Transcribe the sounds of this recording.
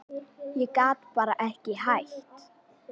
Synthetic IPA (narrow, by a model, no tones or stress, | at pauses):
jɛkaːt̪paːɾaʔɛhcɪhajht̪